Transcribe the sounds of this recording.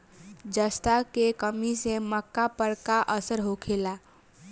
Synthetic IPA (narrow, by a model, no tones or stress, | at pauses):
d͡ʒəst̪akekəmiseməkːapəɾkaʔəsəɾɦokʰela